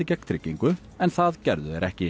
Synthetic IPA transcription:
ɪcɛkt̪ʰɾɪcːiŋkʏ | ɛnθaðcɛɾðʏðɛɾʔɛhcɪ

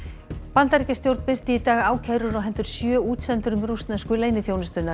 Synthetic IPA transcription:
pant̪aɾcast̪jowɾt̪n̥pɪr̥t̪ɪit̪aːɣaːwcʰaðɾʏɾɔɦɛnt̪ʏɾ̥sjœːuːt̪sɛnt̪ʏɾʏmrust̪naskʏleːjnɪθjownɪst̪ʏna

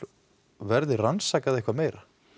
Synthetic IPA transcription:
vɛɾðɪransaːkaðehkvameːjɾa

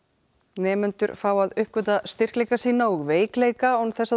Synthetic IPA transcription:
nɛːmʏnt̪ʏɾfaːwaðʏhp̚kœt̪ast̪ɪr̥klejkasiːnaɣveːjkleːjkaɔnθɛsːa

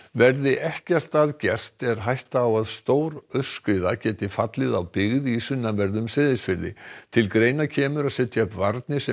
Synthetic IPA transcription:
vɛɾðɪʔɛhcɛr̥t̪aðcɛr̥t̪ɛɾ̥ɦajht̪aːwaðst̪oːwɾœ̥skɾɪːðacɛːt̪ɪfat̪lɪðawpɪɣðisʏnːavɛɾðʏmsɪːðɪsfɪɾðɪ̰t̪ʰɪlkɾeːjnacʰɛːmʏɾaðsɛt̪ːjaʏpvaɾt̪nɪsɛ

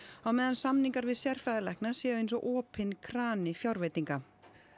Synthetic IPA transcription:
awmɛːðansamniŋkaɾvɪðsjɛr̥fajðɪlɛhknasjɛːðʏejnsɔʔɔːpɪnkʰɾaːnɪfjawɾvejt̪iŋka

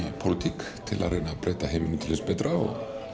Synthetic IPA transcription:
pʰʊlɪt̪ʰikt̪ʰɪlʔa̰ɾɛnapɾeːt̪aɦeːmɪnɪt̪ʰɪlːɪspɛt̪ɾaɔ̰ɣ

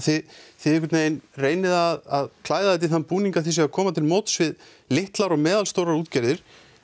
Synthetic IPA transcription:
θɪθɪðɛkʰʏtneːjnreːjnɪðaðaðkʰlaːjðaðɛjt̪̬ɪθanpuːniŋkaθis̬ɛɣakʰɔːmat̪ʰɪlmoːwt̪svɪð | lɪht̪laɾɔɣmɛːðalst̪owɾaɾuːt̪caɾðɪɾ̥

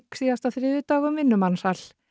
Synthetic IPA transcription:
ksiɣast̪aθɾɪːðʏt̪aːɣʏmvɪnːʏmansal

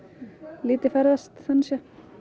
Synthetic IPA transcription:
liːt̪ɪfɛɾðast̪θœnsjɛ

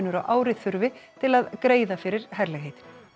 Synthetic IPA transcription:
nːʏɾawʔaːwɾɪθʏɾvɪt̪ʰɪlaðkɾeːjðafɪɾɪɾ̥hɛɾlɛɣɦejt̪ɪ̥n

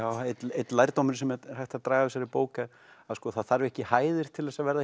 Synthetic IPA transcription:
aːwet̪lejt̪lajɾt̪owmɪɾ̥sɛmhajht̪aðt̪ɾaːɣaɪsaɾɪpoːwka | aðskɔːθaðθaɾvɛhcɪhaːjðɪɾ̥t̪ʰɪlvɛsavɛɾða

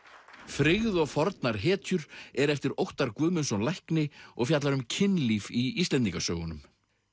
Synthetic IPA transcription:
fɾɪɣðɔɣfɔɾt̪naɾ̥ɦɛːt̪ʰjʏɾɛɾɛft̪ɪɾowht̪aɾkʏːmʏnsɔnlahknɪɔɣfjat̪laɾʏmcʰɪnːliːviist̪lɛnt̪iŋkasœːwɣʏnʏm

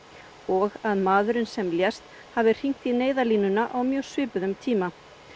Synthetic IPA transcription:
ɔɣaðmaːðʏɾɪnsɛmljɛst̪ | haːvɪr̥iŋ̥kt̪θineːjðaliːnʏnaʔawmjœːsvɪːpʏðʏmt̪ʰiːma

